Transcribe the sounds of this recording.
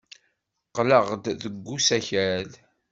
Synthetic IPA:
qːləʁd̪ðəɡːusæçæl

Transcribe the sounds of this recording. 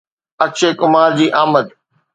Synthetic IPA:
ɐkt͡ɕeːkʊmaːɾd͡ʑiːʔaːməd̪

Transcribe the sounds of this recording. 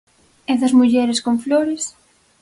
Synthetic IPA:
ɛðɐzmuʝɛɾɪskoɱfloɾɪs

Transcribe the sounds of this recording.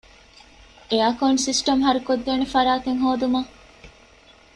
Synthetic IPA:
eɐkoːnsisʈɐmɦɐɾukod̪ːeːnefɐɾaːt̪eŋɦoːd̪umɐ

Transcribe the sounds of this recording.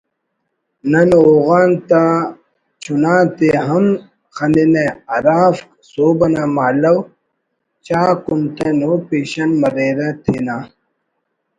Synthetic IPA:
nɐnoːɣaːnt̪a | t͡ɕʰunãːt̪eɦɐm | xɐnineɐɾaːf | soːbɐnaːmaːlɐw | t͡ɕaːkunt̪enoːpeːɕɐnmɐɾeːɾet̪ʰeːnaː

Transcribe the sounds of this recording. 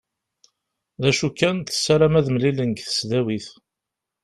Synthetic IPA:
ðæʃukːænt̪ə̥sːaɾamæðmlilənɡθə̥sðæwiθ

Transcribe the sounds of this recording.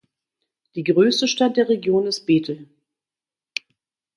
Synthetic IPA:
d̥iːɡʁøːstəʃtat̚d̥eːɐʁeɡjoːnɪst̚b̥eːtʰl̩

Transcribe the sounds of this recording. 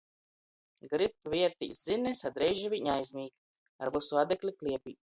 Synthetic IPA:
ɡɾip̚vʲiɛɾt̪ḭːsd̪zinɛsad̪ɾɛjʒɛviɲajzʲnʲiːk | a̰ɾvusuad̪ɛklʲiklʲiɛpʲḭː

